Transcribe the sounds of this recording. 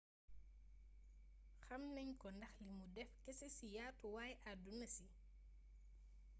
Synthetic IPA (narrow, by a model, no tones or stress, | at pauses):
xɐmnɐɲkɔndɐxlimudɛfkɛsesijaːtuwaːjʔadunːɐsi